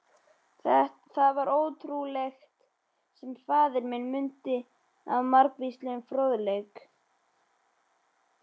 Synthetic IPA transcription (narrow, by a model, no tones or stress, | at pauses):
θɛ | θaðvaɾʔoːwt̪ʰɾulext̪ | sɛmfaːðɪɾmɪnmʏnt̪ɪ | a̰vmaɾkvist̪lɪʏnfɾœðlejk